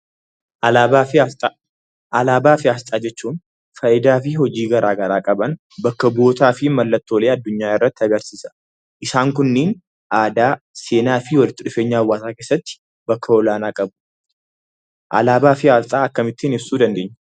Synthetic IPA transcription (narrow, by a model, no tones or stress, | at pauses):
ɐaaːfɪ | ʔɐlaːbaːfɪaːst̪ʼaːd͡ʒɛt͡ʃːuːn | fɐʔɪd̪aːfɪhɔd͡ʒiːɡɐɾaːɡɐɾaːkʼɐbɐn | bɐkːɐbo̞ːt̪aːfɪmɐlːɐt̪ːo̞ːle̞ːɐd̪ːʊɲːaːɪrːɐt̪ːɪɐɡɐɾsɪsɐ̥ | ʔɪsaːŋkʊnːeːn | ʔaːd̪aː | se̞ːnaːfɪwɐlɪt̪ːɪᶑʊfe̞ːɲːaːɐwːaːt̪aːke̞ːsːɐt̪ːɪ̥ | bɐkʰːɐɔlaːnaːkʼɐbʊ̥ | ʔɐ̰laːbaːfɪaːst̪ʼaːɐkːɐmɪt̪ːɪnɪbsuːd̪ɐnd̪e̞ːɲːɐ̥